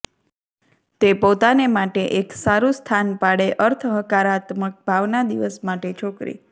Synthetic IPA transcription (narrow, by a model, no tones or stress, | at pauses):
t̪epot̪anemaʈeʔeksaɾust̪ʰanpaɽeʔəɾt̪ʰəɦəkaɾat̪mək̚bʱaʋnad̪iʋəsmaʈet͡ʃʰokɾḭ